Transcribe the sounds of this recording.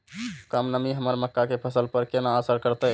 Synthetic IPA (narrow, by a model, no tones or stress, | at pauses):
kəmnəmiɦəməɾməkːakepʰəsəlpəɾkenaːsəɾkəɾt̪ə